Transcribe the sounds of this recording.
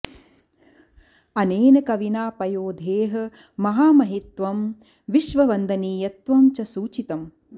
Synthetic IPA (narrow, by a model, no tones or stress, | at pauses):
ɐneːnɐkɐʋinaːpɐjoːd̪ʱeːɦɐ̆ | mɐɦaːmɐɦit̪ʋɐm | ʋiʃʋɐʋɐnd̪ʱɐniːjɐt̪ʋɐmt͡ʃɐsuːt͡ʃit̪ɐm